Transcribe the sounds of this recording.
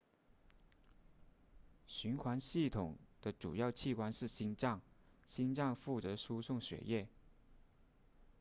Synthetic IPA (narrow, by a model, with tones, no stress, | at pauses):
ɕy˧˥nxwa˧˥nɕi˥˩t̪ʰʊ˨˩ŋd̪̥ə˦ʈ͡ʂṵ˨˩jɑ˥˧ʊt͡ɕʰi˥˩kwa˥nʂɻ̩˥˩ɕi˥nʈ͡ʂɑ˥˩ŋɕi˥nʈ͡ʂɑ˥˧ŋfu˥˩t͡sɤ˧˥ʂu˥sʊ˥˩ŋɕɥɛ̰˧˥jɛ˥˩